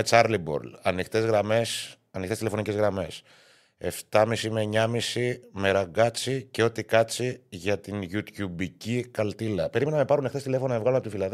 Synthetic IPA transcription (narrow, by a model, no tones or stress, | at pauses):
et͡sɐɾlibo̞̰ɾlɐnixt̪e̞zɣɾɐmes | ɐnixt̪est̪lefo̞nice̞zɣɾɐme̞s | e̞ft̪ɐmisime̞ɲɐmisime̞ɾɐŋɡɐt͡sice̞o̞t̪ikɐt͡siʝɐt̪inʝut̪çubicikɐlt̪ilɐpe̞ɾime̞nɐɐmepɐɾunextest̪ilefo̞nonɐmevɣɐlunɐpot̪ifilɐð